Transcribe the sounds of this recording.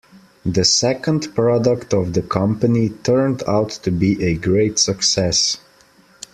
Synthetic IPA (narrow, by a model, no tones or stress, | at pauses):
ðɨsɛkə̃ndpɹ̥ɑdəktʌvðəkʰʌ̃mpənitʰɜ̃˞ndaʊtʰːɨbiʔɨɡɹeɪtsɨksɛs